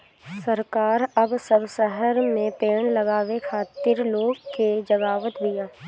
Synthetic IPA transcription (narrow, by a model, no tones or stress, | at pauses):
səɾkaːɾɐbsəbsɛɦəɾmẽpeːɽ̃lɐɡaːʋekʰaːt̪ɪɾloːɡked͡ʒəɡaːʋət̪d̪ijaː